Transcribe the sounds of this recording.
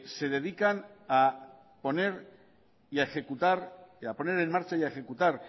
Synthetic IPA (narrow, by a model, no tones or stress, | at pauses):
se̞ðe̞ðikana | po̞ne̞ɾ | iaexe̞kut̪aɾapo̞ne̞ɾe̞nmaɾt͡ʃajaexe̞kut̪aɾ